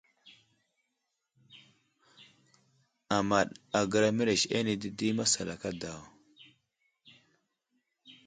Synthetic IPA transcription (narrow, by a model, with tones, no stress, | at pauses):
a˨ma˨ɗa˨ɡə˨ɾa˦mi˦ɾe˨ʃe˦ni˨di˦di˦ma˦sa˨la̰˨ka˦da˨w